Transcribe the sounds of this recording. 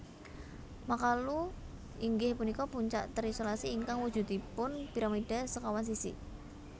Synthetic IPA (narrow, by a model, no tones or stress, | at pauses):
makalu | ʔiŋɡɪhpunikɔpuɲt͡ʃa̰ʔt̪əɾisolasiːŋkaŋwu̥ʒ̥ṳt̪ipʊnpiɾamid̥asəkawans̬isḭ